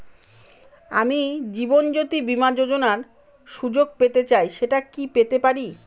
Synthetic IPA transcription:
a̰mid͡ʑibond͡ʑot̪ibimad͡ʑod͡ʑonaɾ | ʃud͡ʑoɡ̚pet̪et͡ɕajʃeʈakipet̪epaɾi

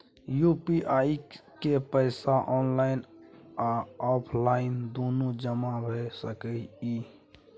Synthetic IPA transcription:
jupiʔaikepəɪsaʔɔnlaɪnaɔpʰlaɪnd̪onod͡ʒəmabʱesəkɛi

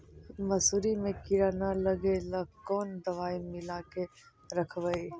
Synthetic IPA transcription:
mɐsuɾimẽkɪɾaːnaləɡelɐkɔːnd̪ɐʋaːimɪlake | ɾɐkʰʋəi

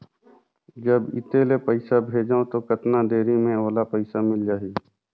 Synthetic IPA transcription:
d͡ʒɐbɪ̰t̪eːlepəɪsabʱeːd͡ʒaõt̪okɐt̪nad̪eːɾimẽoːlapɐɪsamɪld͡ʒaːɦi

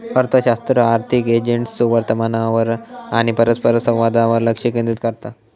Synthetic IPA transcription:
əɾt̪ʰəɕast̪ɾəaɾt̪ʰiked͡ʑeɳʈssuʋəɾt̪əmanaʋəɾaɽ̃ipəɾəspəɾəsə̃ʋʋad̪aʋəɾləkʂikĩnd̪it̪kəɾt̪a

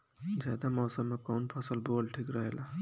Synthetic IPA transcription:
d͡ʒjad̪amʌsʌmekawnpʰʌsəlbolʈʰikɾʌɦela

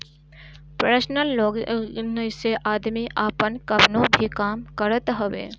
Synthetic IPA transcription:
pɾəsnəlːoːɡnəseʔaːd̪miʔaːpənkɐbnõbʱikaːmkəɾət̪ɦəʋḛː

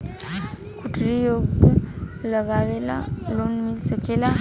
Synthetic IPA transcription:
kuʈʰɾijoɡ | ləɡaʋela̰lonmilsəkela

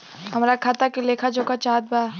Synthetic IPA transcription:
ɦɐmɾakʰaːt̪akeleːkʰad͡ʒoːkat͡ʃaːd̪̚baa

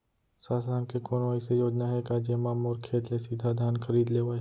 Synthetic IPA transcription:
saːsaːnkekoːnʋaːisejoːd͡ʒnaɦɛkaːd͡ʒemaːmɔːɾkʰeːt̪lesɪd̪ʱad̪ʱaːnkʰəɾiːd̪leːʋaː

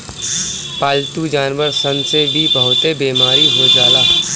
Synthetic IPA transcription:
paːlt̪ud͡ʒaːnʋəɾsə̃nsebʱibəɦʊt̪ebeːmaːɾiɦod͡ʒaːlaː

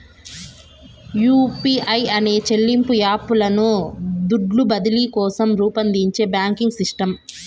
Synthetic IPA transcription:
juːpiːʔɐjɐne̞ːt͡ʃe̞lːimpujaːpulɐnud̪uɖlubɐd̪ilikɔːsɐmɾuːpɐnd̪iɲt͡ʃe̞ːbjaːŋkiŋɡsisʈɐm

